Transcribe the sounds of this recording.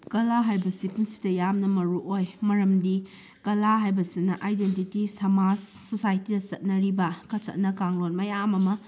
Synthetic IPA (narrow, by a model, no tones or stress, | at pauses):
kɐlaɦajbɐsipuŋsi̥dɐjamnɐmɐɾuʔojmɐɾɐmdi | kɐlaɦajbɐsinɐʔajdentitisɐmad͡ʒsosajtidɐt͡ʃɐt̚nɐɾibɐkɐt͡ʃɐ̰t̚nɐkaŋlonmɐjamɐmɐ